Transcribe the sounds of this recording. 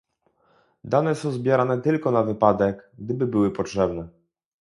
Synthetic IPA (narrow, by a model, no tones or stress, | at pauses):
d̪anɛsɔ̃w̃zbʲjɛɾanɛt̪ɘlkɔnavɘpad̪ɛɡɡd̪ɘbɘbɘwɘpɔtʂɛbnɛ